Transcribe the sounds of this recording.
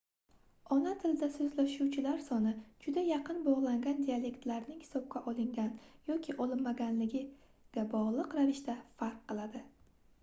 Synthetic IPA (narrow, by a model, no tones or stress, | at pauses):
ɒnat̪ʰɪld̪asɵzlaʃuwt͡ʃʰɪlaɾsɒnɪd͡ʒʊd̪ajɑqʰɨnbɒʁlˠaŋɡʲand̪iale̞kt̪laɾnɪŋhɪ̥sɒp̚kʲaʔɒlˠɪŋɡʲanjɒkʲʰɪʔɒlˠɪnmaɡʲanlɪɡʲɪ | ɡ̥ʲabɒʁlˠɨqɾavɪʃt̪afaɾqʰːɨlˠad̪ɪ